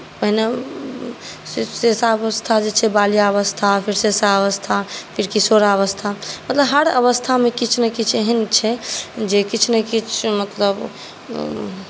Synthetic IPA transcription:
pəɦine | ssesaəst̪ʰad͡ʒet͡ʃʰɛbalijaəβəst̪ʰapʰiɾsesaəʋəst̪ʰapʰiɾkisoɾaəβəst̪ʰamət̪ləbɦəɽə̰βəst̪ʰamekit͡ʃʰnɛkit͡ʃʰeɦənt͡ʃʰɛd͡ʒekit͡ʃʰnɛkit͡ʃʰmət̪ləb

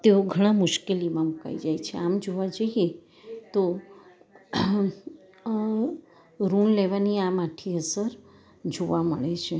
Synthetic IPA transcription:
t̪eoɡʱəɽ̃ãmʊʃkelimãmuka̰id͡ʒajt͡ʃʰeamd͡ʒoʋad͡ʒəɦie | t̪o | ɾunleʋaniamaʈʰiəsəɾ | d͡ʒoʋaməɭet͡ʃʰe

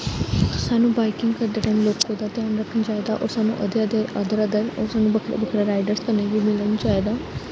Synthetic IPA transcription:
saːnũːbaːɪkɪŋɡkəɾd̪eːʈə̃nlot͡ʃkoːd̪aːt̪ejãːnɾəkʰːənd͡ʒaːed̪aːʔɔ̰ːɾsaːnṵ̃ːʔəd̪ed̪eəd̪əɾəd̪əɾɔːɾsaːnũːbəkʰɾ̰bəkʰɾeɾaːɪɖəɾskəneʋiːmɪlənd͡ʒaːed̪aː

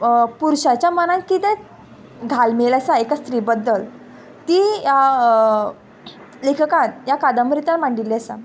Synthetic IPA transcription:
puɾɕat͡ɕjamənãnkit̪ɛ̃ | ɡʱalmeləsaekast̪ɾibəd̪ːəl | t̪ija | lekʰəkãnjakad̪əmɾit̪anmaɳɖiliəsa̰

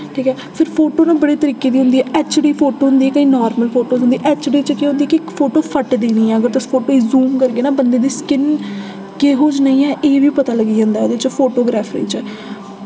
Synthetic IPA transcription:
ʈʰiːkɦɛːpʰɪɾpʰoːʈoːnãːbəɽeːt̪əɾiːkeːd̪iːɦʊ̃nd̪iːɛːʔɛːt͡ʃɖiːpʰoːʈoːɦnd̪iːɛːkəĩːnɔːɾməlpʰoːʈoːɦʊ̃nd̪iɛʔɛːt͡ʃɖiːt͡ʃəkeɦʊ̃nd̪iːɛkɪkfʰoːʈoːpʰəʈd̪iːnĩːɛːəɡəɾt̪ʊspʰoːʈoːiːzuːmkəɾɡeːnaːbənd̪eːd̪iːskɪn | keɦoːd͡ʒnəĩːɛːʔeːʋiːpət̪aːləɡiːd͡ʒãːnd̪aɛoːd̪eːt͡ʃpʰoːʈoːɡɾɛːpʰɾḭːt͡ʃɛ

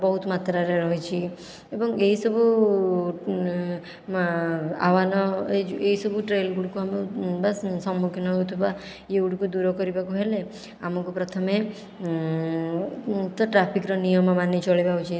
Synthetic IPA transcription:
bɔɦut̪mat̪ɾaɾeɾɔɦit͡ʃʰi | ebɔŋeɦisɔbu | a̰ʋanɔed͡ʒueɦisɔbuʈɾelɡuɽukuamebassɔmːukʰjɔnɔɦut̪ʰuba | euɽkud̪uɾɔkɔɾibakuɦele | amɔkupɾɔt̪ʰɔme | t̪ɔʈɾapʰikɾɔnijɔmɔmanet͡ʃɔɭibaut͡ʃʰi

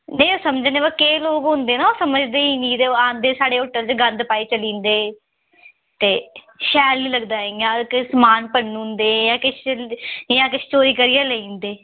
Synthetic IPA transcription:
nəĩoːsəmd͡ʒːneːbəkeːloːɡɦʊ̃nd̪eːnaːoːsəməd͡ʒd̪eːiːnĩːt̪eːãːnd̪eːsaːɽeːɦoːʈəlt͡ʃɡə̃nd̪paːeːt͡ʃəlĩːnd̪eː | t̪eː | ʃɛːlnĩːləɡd̪aːeãːkɪsəmaːnpəɳnũːnd̪eːjãːkɪʃ | jãːkɪʃt͡ʃoːɾiːkəɾɪjaːleĩːnd̪eː

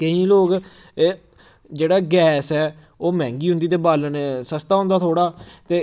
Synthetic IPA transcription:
kəĩːloːkː | d͡ʒeːɽaːɡɛːsɛː | oːmɛ̃ːŋɡiːɦʊ̃nd̪iːt̪eːbaːlənsəst̪aːɦʊ̃nd̪aːt̪ʰoːɽaːt̪eː

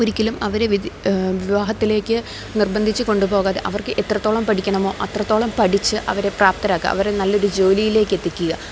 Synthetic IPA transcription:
oɾikʲːɐlumɐʋɐɾeʋiʋiʋaːɦɐt̪ːile̞ːkʲːɨ | nirbɐnd̪ʱit͡ɕːɨko̞ɳɖupo̞ːɣaːðeʔɐʋɐrkɨʔet̪ːrɐt̪ːoːɭɐmpɐʈʰikʲːɐɳɐmo̞ːʔɐt̪rɐt̪ːo̞ːɭɐmpɐʈit͡ɕːɨʔɐʋɐɾe̞praːp̚t̪ɐɾaːkːɨ̰ʔɐ̰ʋɐɾenɐlːɐo̞ɾud͡ʑo̞ːlijile̞ːkːe̞t̪ːikʲːuɣɐ

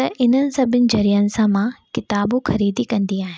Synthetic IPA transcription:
t̪ɐʔɪn̤ənɪ̆sɐbʱɪnɪ̆d͡ʑɐɾiːənɪ̆sãmãkɪt̪aːbũxɐɾiːd̪ikɐ̃nd̪iaːɦɪn

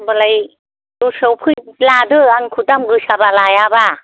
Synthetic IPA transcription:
bəlaj | dusəwpʰɯjlad̪ɯaŋkʰud̪amɡɯsabalajaba

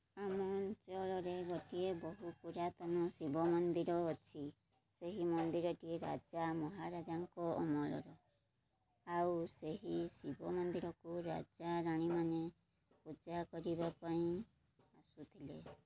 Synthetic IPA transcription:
amɔnt͡ʃɔlɔɾeɡoʈiebɔɦupuɾat̪ɔnɔsibɔmɔnd̪iɾɔːt͡ʃʰi | seɦimɔnd̪iɾɔʈieɾa̰d͡ʒamɔɦaɾad͡ʒaŋkɔɔ̰mɔlɔ̰ɾɔ | awseɦisibɔmɔnd̪iɾɔkuɾa̰d͡ʒaɾaɽ̃imane | pud͡ʒakɔɾibapaĩ | asut̪ʰile

